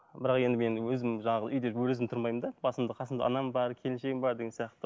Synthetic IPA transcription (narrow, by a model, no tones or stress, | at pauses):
bɪɾɑqe̞nd̪ɪme̞nwɵzɪmʒɑɴɑʁəəʔʏjd̪ewɵɾɪzɪmt̪ʰʊɾmɑjmənd̪ɑbɑsəmd̪əqʰɑsəmd̪ɑ̰ʔɑ̰nɑmbɑɾkʲʰe̞lɪnʃe̞ɡʲɪmbɑɾd̪e̞ɡʲesjɑqt̪ə